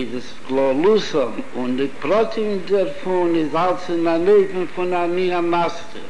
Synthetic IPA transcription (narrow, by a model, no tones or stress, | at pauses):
ɪzɪsɡlˠɔlˠusɔm | ʊndɪpɾɔtʰɪŋdɛɾfʊnɪzalˠsɪnaneɪvn̩fʊnaniamastə̰